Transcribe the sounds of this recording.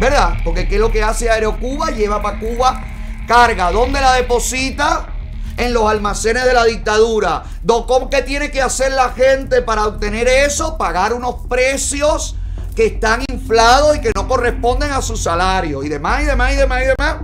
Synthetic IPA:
be̞ɾðapo̞ɾke̞kelo̞ke̞aseaeɾo̞kuβaʝeβapakuβa | kaɾɣaðõ̞nd̪e̞lað̞e̞po̞sit̪a | eŋlo̞salmase̞ne̞zðe̞laðik̚t̪aðuɾa | d̪okomke̞t̪jene̞ke̞ase̞ɾlaxe̞nt̪e̞paɾaoβ̚t̪e̞ne̞ɾe̞so̞paɣaɾuno̞spɾe̞sjo̞s | ke̞ːst̪aŋiɱflað̞o̞sike̞no̞ko̞re̞spo̞nd̪e̞ŋasusalaɾjo̞siðe̞masiðe̞masiðe̞masiðe̞mas

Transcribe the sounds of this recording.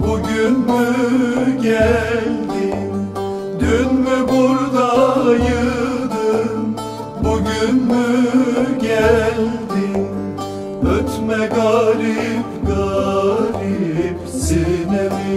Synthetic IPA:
buɟynmyɟælʲd̪in | d̪ynmybuɾd̪ajɯd̪ɯn | buɟynmy | ɟælʲd̪in | øt̪ʰmɛɡɑɾipɡɑɾipsenɛm

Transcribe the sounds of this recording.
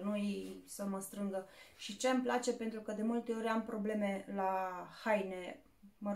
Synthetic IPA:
nujsəməst̪ɾɨŋɡəʃit͡ʃe̞amplat͡ʃe̞pent̪ɾukəd̪e̞mult̪e̞o̞ɾʲampɾo̞ble̞me̞lahajne | mə

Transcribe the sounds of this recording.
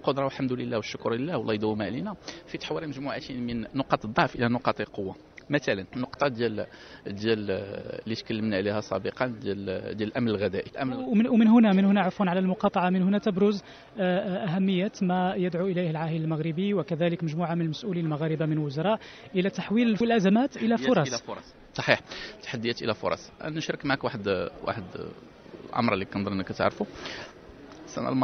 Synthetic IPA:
lqod̪ɾˤɑwəlħamd̪ləlːæwəʃːʊkʊɾˤəlːæwəlʔɑjd̪uwmaʕlinæfit̪ħwiɾiməʒmuʕat̪imənːoqɑt̪ˤd̪ˤːɑʕfʔəlænʊqɑt̪ˤlqowːa | mæt̪ælənnːoqt̪ˤɑd̪jæld̪jællːit̪kəlːəmnæʕlihæsˤɑ̰bəqɑnd̪æld̪jæləlʔæmnəlɣæd̪æʔilʔəmwmənɦʊnæmənhʊnæʕafunʕalælmʊqɑt̪ˤɑʕɑmənhʊnæt̪əbɾʊz | ʔæɦæmːəjːæt̪mæjəd̪ʕuʔəlæjhəlʕahələlməɣɾəbiwəkæd̪æləkməʒmuʕamənəlməsʔulilmaɣæɾəbamənəlwʊzɑɾˤɑʔʔəlæt̪aħwiləlʔæzæmæt̪ʔəlæfʊɾˤɑsɾ | sˤɑ̥ħiħt̪ːḁħad̪ːjæt̪ʔə̰læfʊ̰ɾˤɑ̰sˤʔæ̰nʃɾˤəkmaʕakwaħəd̪wa̰ħəd̪ | lʔɑ̰mɾˤlːikɑnd̪ˤəɾʔənːəkːæt̪a̰ʕɾfu | sæ̰næ̰lm

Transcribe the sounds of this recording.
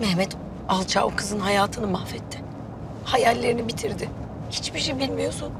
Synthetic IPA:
mɛhmɛt̪ | alˠt͡ʃʰa̰ːʔokʰɯzɯnɦajaːt̪ʰɯnɯmahfɛt̪ʰːɪ̥ | hajælʲːe̞ɾinibit̪ʰiɾd̪ɪ | hit͡ʃbiʃejbilʲmijo̞sun

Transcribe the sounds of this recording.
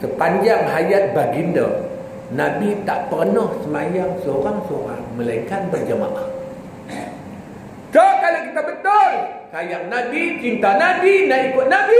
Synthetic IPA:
səpaɲd͡ʒaŋɦajat̪̚baɡində̰ | nãbit̪aʔpərnɔhsəmajaŋsəoɾaŋsəoɾa̰ŋməlaikanbərd͡ʒəma̰ʔa | səkalakit̪abət̪olkajaŋnãbit͡ʃint̪anabinaʔikʊt̪̚nabi

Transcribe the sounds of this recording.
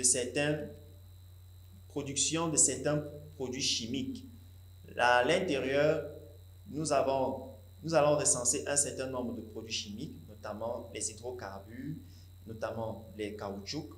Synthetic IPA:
d̪əsɛʁt̪ɛ̃n | pχod̪yksjɔ̃d̪əsɛʁt̪ɛ̃pχod̪ɥiʃimik | alɛ̃t̪eʁjœːʁ | nuzavɔ̃ | nuzalɔ̃ʁəsɑ̃seʔɛ̃sɛʁt̪ɛ̃nɔ̃bʁəd̪əpχod̪ɥiʃimiknot̪amɑ̃lɛzid̪ʁokaʁby | not̪amɑ̃lɛkaut͡ʃuk

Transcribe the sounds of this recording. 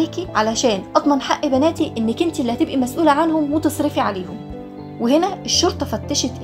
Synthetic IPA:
eːkiʕalæʃæːnʔɑd̪ˤmɑnħaʔːibænæːt̪iʔenːækʔent̪ʔlːihæt̪ebʔimæsʔuːlæʕanhomwet̪esˤɾefiʕaleːhom | wehenæʔeʃːoɾˤt̪ˤɑfæt̪ːæʃet̪ʔ

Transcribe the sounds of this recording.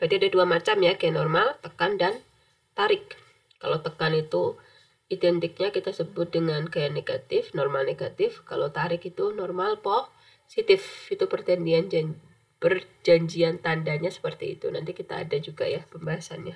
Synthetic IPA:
dadiadaduamat͡ʃamjakajanɔrmalt̪əkandan | t̪aɾɪkː | a̰lot̪əkanit̪u | idɛnt̪ɪk̚ɲakit̪asəbʊt̪̚dəŋankajaneɡat̪ɪfnɔrmalneɡat̪ɪfkalo̰t̪aɾɪkit̪unɔrmalpɔh | sit̪ɪfit̪upərt̪əndiand͡ʒa | pərd͡ʒaɲd͡ʒiant̪andaɲasə̥pərt̪ḭːt̪ṵnant̪ikit̪a̰ːdad͡ʒuɡa̰japəmbaɦasanja

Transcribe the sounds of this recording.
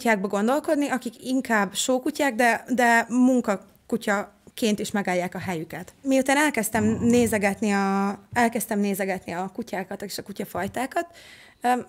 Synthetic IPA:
caːɡ̚bɒɡo̞nd̪o̞lko̞d̪niʔɒkikiŋkaːbʃoːkucaːɡd̪ɛd̪ɛmuŋkɒ | kucɒ | keːnt̪iʃmɛɡaːljːaːkɒɦɛjykɛt̪mijut̪aːnɛlkɛst̪ɛmneːzɛɡɛt̪niɒɛlkɛst̪ɛmneːzɛɡɛt̪niɒkucaːkɒt̪eʃɒkucɒfɒjt̪aːkɒt̪

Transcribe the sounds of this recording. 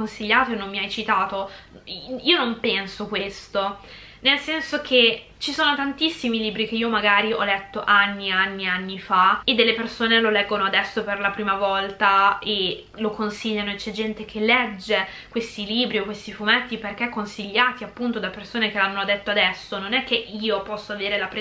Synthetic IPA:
onsiʎːaːt̪oenːomːiajt͡ʃit̪aːt̪o | iːonompɛnsokwest̪o | nelsɛnsok̟ʰe | t͡ʃisoːnot̪ant̪isːimiliːbɾik̟eiːomaɡaːɾiɔ̰lɛt̪ːoʔanːianːianːifaed̪ːelːepersoːnelolɛɡːonoad̪ɛsːoperlapɾiːmavɔlt̪ae | lokonsiʎːanoet͡ʃɛd͡ʒɛnt̪ek̟ʰelːɛd͡ʒːe | kwest̪iliːbɾiokwest̪ifumɛt̪ːiperkeɛkːonsiʎːaːt̪iapːunt̪od̪apːersoːnek̟elanːoad̪et̪ːoad̪ɛsːononɛkːeʔiːopɔsːoaveːɾelapɾe

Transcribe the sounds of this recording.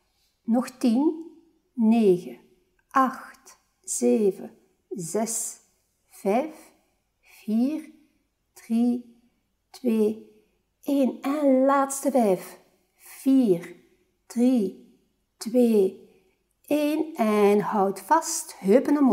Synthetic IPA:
nɔxtinː | eːɣə | ʔɑxt | z̥eːvə | zɛs | v̥ɛjf | viːr | d̥ri | tweː | ʔeːnɛnlaːtstəvɛjf | v̥iːr | d̥ri | tweː | eːnɛnhɔwtfɑsthøpənəm

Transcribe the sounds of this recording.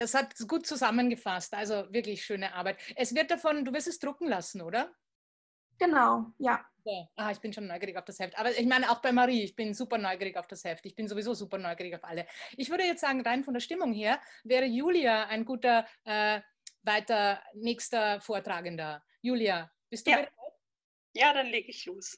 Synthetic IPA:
d̥ashatɡ̥uːt̚t͡suzamənɡəfastʔalzovɪɐklɪçʃøːnəʔaɐbaɪtʔɛsv̥ɪɐt̚d̥afɔnduːvɪɐstɛsd̥ʁʊkŋ̩lasn̩ʔoːɾɐ | ɡ̥ənaʊjḁː | aʔaχɪçb̥ɪnʃoːnːɔʏɡiːʁɪçaʊfd̥ashɛftʔaːbɐɪçmaɪnəaʊxb̥aɪmaʁiːɪçb̥ɪnzuːpɐnɔʏɡiːʁɪçaʊfd̥ashɛftɪçb̥ɪnzovizoːzuːpɐnɔʏɡiːʁɪçaʊfʔaləʔɪçv̥ʏɐɾəjɛt͡stz̥aːɡŋ̩ʁaɪnfɔndeːɐʃtɪmʊŋɦeːɐvɛːʁəjuːliaaɪnɡuːtɐʔɛː | vaɪtɐnɛːçstɐfoːɐtʁ̥aːɡəndɐ | juːlja | b̥ɪst̚d̥ubɪat | jaːdanleːɡəɪçloːs

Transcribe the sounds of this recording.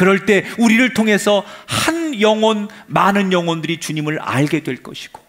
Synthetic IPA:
kɯɾʌɭt͈e̞uɾiɾɯɭtʰoŋɦe̞sʰʌhanjʌŋwʌnmanɯnjʌŋwʌndɯɾit͡ɕuɲimɯɾa̰ɭɡe̞dwe̞ɭk͈ʌ̰ɕʰi̥ɡ̥o̥

